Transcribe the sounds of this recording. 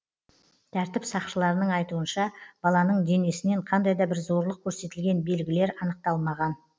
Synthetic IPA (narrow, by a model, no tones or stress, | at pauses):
t̪ʰæɾt̪ɪpsɑqʃəlˠɑɾənəɴɑjt̪uənʃɑb̥ɑlˠɑnəɴd̪e̞ne̞sɪne̞ɴqʰɑnd̪ɑjd̪ɑbɪɾzo̞ɾlˠəq̚kʲʰɵɾse̞t̪ɪlɡʲe̞nbe̞lɡʲɪle̞ɾɑnəq̚t̪ɑlˠmɑʁɑn